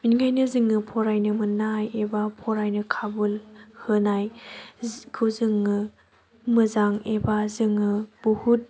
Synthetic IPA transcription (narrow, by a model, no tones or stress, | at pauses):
minŋajnɯzɯŋːɯpʰɔɾajnɯmɯnajebapʰɔɾajnɯkʰabulhɯnaj | kʰuzɯŋːɯ | mɯzaŋebazɯŋɯb̥uhut̚